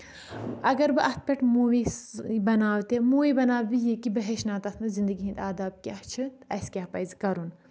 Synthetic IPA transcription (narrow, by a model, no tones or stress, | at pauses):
ɐɡɐɾbɨʔɐt̪̚ʰpʲeʈmuʋibɐnaːwt̪emuːʋibɐnaːwbijikibɐɦeʃnaːt̪ɐt̪ʰnɨzind̪ɐɡiɦĩnd̪aːd̪aːb̚kʲiɐht͡ʃʰɨ | ɐskʲaːpɐjzikɐɾun